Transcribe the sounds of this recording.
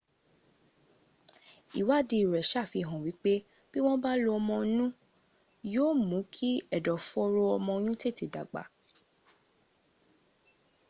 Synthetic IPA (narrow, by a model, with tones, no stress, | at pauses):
i˨wa˦˨di˧˨ɾɛ˨ʃa˦˨fi˧˨ɦɔ̃˨wi˨˦k͡pe˦ | b̥i˦w̃ɔ̃˦ba˦lo˧ɔ˧mɔ̃˧nũ˦ | joː˦mũ˨˦kʰi˦ɛ˦˨dɔ˨fɔ˦ɾo˦ɔ˧mɔ̃˧jũ˦te˦˨te˨da˨ɡ͡ba̰˨˦